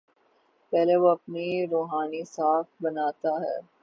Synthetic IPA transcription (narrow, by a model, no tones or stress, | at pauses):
pɛːleʋoɐpniɾoːɦaːnisaːfbɐnaːt̪aɦɛ̰ː